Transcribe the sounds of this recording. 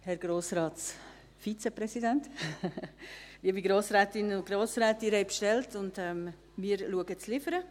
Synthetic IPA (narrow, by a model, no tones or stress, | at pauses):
hɛɾɡ̥ɾoːsɾɑːts | fit͡sɛpɾɛsidɛnt | liːəbiɡɾoːsɾɛːtɪnʊnɡ̥ɾoːsɾɛːtiɾɛɪpʃtɛltʊndɛm | mɪːəɾluəɡət͡slɪfəɾə